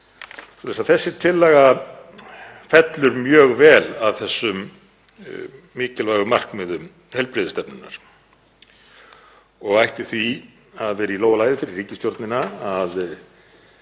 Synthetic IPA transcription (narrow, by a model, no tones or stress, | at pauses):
sɔːlɛsaθɛsːɪt̪ʰɪlːɛːɣa | fɛt̪lʏɾmjœːɣvɛːlaðθɛsːʏm | ɪːcɪlvaːjɣʏmar̥kmɛðʏm | hɛjlpɾɪːðɪst̪ɛpnʏnːaɾ̥ | ɔɣajht̪ɪ̥θvi | aðvɛːɾɪiloːwalaːjðɪfɪɾɪrriːcɪst̪jowɾt̪nɪnaaːð